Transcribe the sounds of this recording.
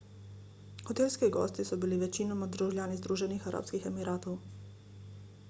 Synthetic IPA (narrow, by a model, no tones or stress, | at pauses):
xɔt̪eːlskiɡɔ̰ːst̪isɔbiliʋɛt͡ʃinɔmad̪ɾuʒlʲjaːnizd̪ɾuːʒɛnixaɾa̰pskixɛmiɾaːt̪ɔw